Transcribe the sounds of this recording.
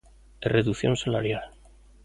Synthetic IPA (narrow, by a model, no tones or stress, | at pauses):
ereðuθjonsala̰ɾjal